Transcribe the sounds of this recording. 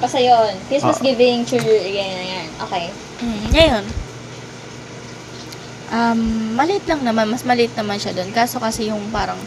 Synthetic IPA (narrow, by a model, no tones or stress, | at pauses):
kɐsɛjonhɪsmɐsɡɪvɪŋt͡ʃujuɐɡɛnnɐjanʔo̰kej | m̩ŋɐjo̞n | ʔamːɐlɪʔɪt̪̚lɐŋnɐmanmɐsmɐlɪʔɪt̪̚nɐmanʃɐd̪o̞nkaːso̞kɐsɛjʊŋpaːɾɐŋ